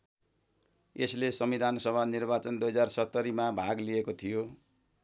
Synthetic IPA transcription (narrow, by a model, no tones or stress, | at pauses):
eslesʌmid̪ʱanʌsʌbʱanirbat͡sʌnd̪ujɦʌd͡zarsʌt̪ːʌɾimabʱaɡliekot̪ʰijo